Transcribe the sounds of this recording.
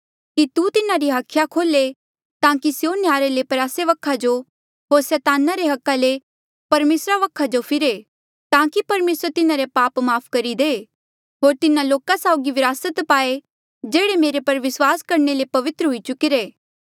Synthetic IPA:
kit̪ut̪ɪnaɾiɦaːkʰjakʰoːle | t̪ãːkisjoneaːɾelepɐɾaːseʋɐkʰːad͡ʒo | ɦoːɾsɛːt̪aːnaɾeɦɐkːale | pɐɾmeːsɾaʋɐkʰːad͡ʒopʰɪɾe | t̪ãːkipɐɾmeːsɾt̪ɪnaɾepaːpmaːpʰkɐɾid̪e | ɦoːɾt̪ɪnaloːkasaʊɡiʋɪɾaːsət̪paːe | d͡ʒeːɽemeːɾepɐɾʋɪswaːskɐɾɳelepɐʋɪt̪ɾəɦʊit͡ʃʊkiɾeː

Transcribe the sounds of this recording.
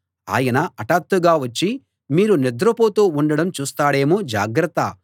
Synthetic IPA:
a̰ːjɐnɐɐʈaːt̪ːuɡaːʋɐt͡ʃːi | miːɾunid̪ɾɐpoːt̪oːuɳɖɐɽɐmt͡ʃuːst̪aːɽe̞ːmud͡ʒa̰ːɡɾɐt̪ːɐ

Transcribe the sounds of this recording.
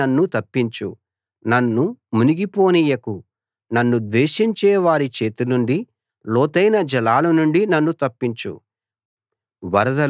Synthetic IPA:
ɐnːut̪ɐpːiɲt͡ʃṵ | nɐnːumuniɡipo̞ːnijɐku | nɐnːud̪ʋɛːʃiɲt͡ʃɛːʋaːɾit͡ʃe̞ːt̪unuɳɖi | lɔːt̪ɐjnɐd͡ʒɐlaːlɐnuɳɖinɐnːut̪ɐpːiɲt͡ʃṵ | ʋɐɾɐd̪ɐ

